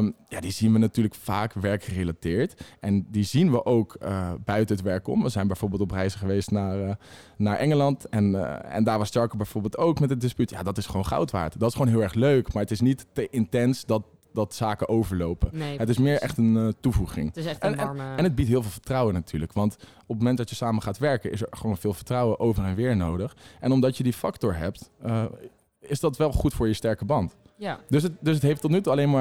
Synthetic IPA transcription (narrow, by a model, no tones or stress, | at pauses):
jaːdizinʋənatyːɹləkfaːkʋɛɹkχərelatɪːɹtʔɛndizinʋəʔowkəbœɥtəɦətʋɛɹkɔ̰mʋəzɛjnbɛjvoːɹbɪːlˠtɔprɛjzəχəʋejstnaːɹ | naːɹʔɛŋəlɑntɛnɛ̰ndaːɹʋɑstɛɹkəbɛjv̥oːɹbɪːlˠtowkmɛtədɪspytja̰ːdɑtɪsχəʋownχɑ̰wtʋa̰ːɹtdɑtɪsχəʋoːnɦɪːlˠɛɹχløɥkmaːɹətɪsnittəʔɪntɛnsdɑt̚ | dɑtsaːkəʔowvəɹlowpəətɪsmɪːɹɛχtəntuvuχɪ̰ŋnɛnɦəd̚bitɦɪːlˠvɪːlˠvə̥ɹtrʌwənatʰyːɹləkʋɑnt | ɔp̚momɛndɑtjəsaːməχaːtʋɛɹkənʔɪ̰səɹχəʋownvɪːlˠvəɹtrɑwəʔowvəɹɛnʋɪːɹnowdəχɛnɔmdɑtjədifɑktɔɹɦɛp̚tə | ɪsdɑtʋɛlˠχutfʊːɹjəstɛɹkəbɑnt | døsətdøs̬ɦətɦejftːɔtnytuɑlejnmaː